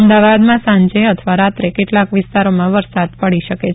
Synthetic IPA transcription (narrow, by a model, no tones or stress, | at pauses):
əmd̪aʋad̪mãsãɲd͡ʒeət̪ʰəʋaɾat̪ɾekeʈlakʋɪst̪aɾomãʋəɾsad̪pəɽiʃəke